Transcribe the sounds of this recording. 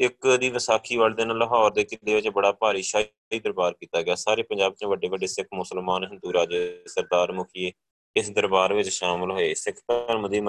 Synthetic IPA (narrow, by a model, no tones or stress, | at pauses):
ɪkd̪iːʋɪsaːkʰiːʋaːld̪eːnaːlɦɔːɾd̪eːkɪleːʋɪt͡ʃbəɽaːpaːɾiːʃaː | iːd̪əɾbaːɾkiːt̪aːɡɪaːsaːɾeːpənɲd͡ʒaːbt͡ʃẽːʋəɖeːʋəɖːeːsɪkʰmʊsəlmaːnɦənd̪uːɾaːd͡ʒesəɾd̪aːɾmʊkʰieː | ɪsd̪əɾbaːɾʋɪt͡ʃʃaːmɪlɦoːeːsɪkʰt̪əɾməd̪iːm